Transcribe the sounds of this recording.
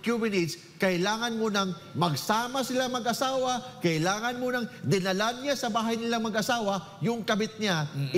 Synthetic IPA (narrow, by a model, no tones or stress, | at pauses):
kjubɛnid̪s | kɐʔɪlaːŋɐnmonɐŋ | mɐɡsaːmɐsɪlaŋmɐɡʔɐsaːwɐkɐʔɪlaːŋɐnmonɐŋd̪ɪnɐlanɲasɐbaːɦɐjnɪlaŋmɐɡʔɐsaːwɐ | jʊŋkɐbɪt̪̚ɲɪa